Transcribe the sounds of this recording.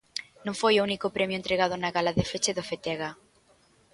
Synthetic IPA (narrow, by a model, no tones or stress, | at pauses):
nõŋfojounikopɾɛmjoʊent̪ɾeɣað̞ʊnaɣalaðefet͡ʃeðofet̪ɛɣa